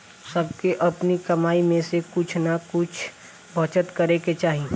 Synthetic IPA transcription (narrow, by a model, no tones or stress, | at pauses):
sɐb̚keʔɐpnikɐmaːimẽsekʊt͡ʃʰnakʊt͡ʃʰ | bʱɐt͡ʃət̪kɐɾeket͡ʃaːɦĩ